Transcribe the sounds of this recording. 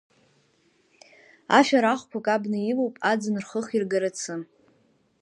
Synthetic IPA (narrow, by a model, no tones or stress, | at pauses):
a̰ʃʲᶣaɾaχʷpʷʰakʼabnɨjilowpʼad͡zɨnrχəχirɡaɾat͡sʰɨ